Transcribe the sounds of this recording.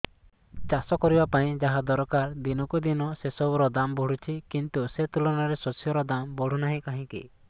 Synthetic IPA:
t͡ʃasɔkɔɾibapaĩd͡ʒaɦad̪ɔɾɔkaɾd̪inɔkud̪inɔsesɔɾɔd̪ambʱɔɽ̤ut͡ʃʰikint̪uset̪ulɔnaɾesɔsjɔɾɔd̪ambɔɽ̤unaɦĩkaɦĩkḭ

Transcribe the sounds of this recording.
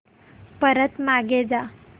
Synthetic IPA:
pəɾət̪maɡed͡za

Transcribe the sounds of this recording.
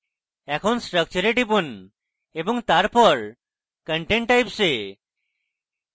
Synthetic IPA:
ɛkʰonsʈɾək̚t͡ʃuɾeʈipun | ebɔŋt̪aɾpɔɾ | kəɳʈẽɳʈːajpse

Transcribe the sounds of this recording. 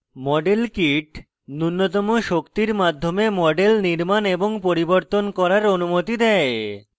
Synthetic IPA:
mɔɖelkiʈ | nunːot̪̬ɔmoʃokt̪iɾmad̪ʱːomemɔɖelniɾmaneboŋpoɾiboɾt̪onkɔɾaɾonumot̪id̪ɛe

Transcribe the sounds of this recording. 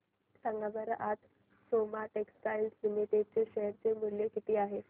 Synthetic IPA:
saŋɡabəɾaʔat̪ | somaʈeksʈajllimiʈeɖ̚t͡seɕeɦɾt͡semuljekit̪iːaɦe

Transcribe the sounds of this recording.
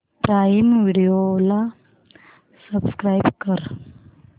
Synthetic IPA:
pɾajmʋiɽijola | səbskɾajbkəɾ

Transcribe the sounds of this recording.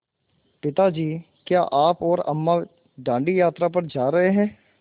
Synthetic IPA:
pɪt̪ad͡ʒiː | kjaːʔaːpɔːɾə̰mːa | ɖãːɳɖijaːt̪ɾapɐɾd͡ʒaːɾəɦeɦɛ̃ː

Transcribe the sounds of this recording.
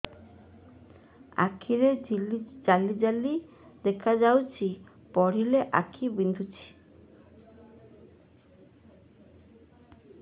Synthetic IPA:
a̰kʰiɾed͡ʒalid͡ʒali | d̪ekʰad͡ʒawt͡ʃʰi | pɔɽ̤ileʔa̰kʰibind̪ʱut͡ʃʰi̥

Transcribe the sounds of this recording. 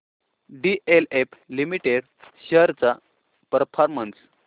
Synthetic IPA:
ɖiʔeleplimiʈeɽ | ɕəɾt͡sa | pəɾfʰaɾməns

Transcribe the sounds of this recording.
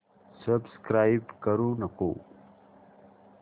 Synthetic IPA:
səbskɾaːjbkɐɾũnɐko̰ː

